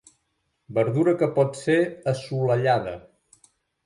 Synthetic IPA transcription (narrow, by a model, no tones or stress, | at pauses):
bəɾðuɾəkəpɔt̪seəsuləʎaðə̰